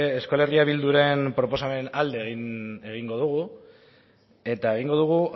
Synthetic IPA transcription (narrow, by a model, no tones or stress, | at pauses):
eskole̞riaβild̪uɾe̞npɾo̞po̞same̞nald̪e̞ɣine̞ɣiŋɡo̞ðuɣu | e̞t̪aeɣ̞iŋɡo̞ð̞uɣ̞u